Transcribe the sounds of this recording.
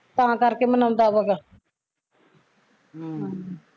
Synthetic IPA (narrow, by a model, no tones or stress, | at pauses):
pãːkəɾkeːmənãʊ̃nd̪aːbəɡaː